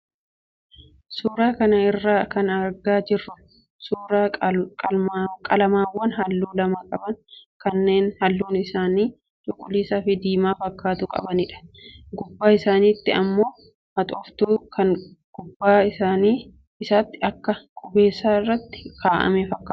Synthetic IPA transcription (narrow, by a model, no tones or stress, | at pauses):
suːɾaːkɐnɐɪrːaːkɐnɐɾɡaːd͡ʒɪrːʊ | suːɾaː | kʼɐlɐmaːwːɐnhɐlːuːlɐmɐkʼɐbɐŋkɐnːe̞ːnhɐlːuːnɪsaːniː | t͡ʃʼʊkʼʊliːsaːfɪd̪iːmaːfɐkːaːt̪ʊkʼɐ̰bɐnɪᶑɐ̥ɡʊbːaːɪsaːniːt̪ːɪɐ̰mːo̞ː | hɐt̪ʼɔft̪uːkɐŋɡ̥ʊbːaːɪaːniː | ɪsaːt̪ːɪɐkːɐkʼʊbe̞ːsːaːɪrːɐt̪ːɪ̥kʰaːʔɐ̰mefɐkːaː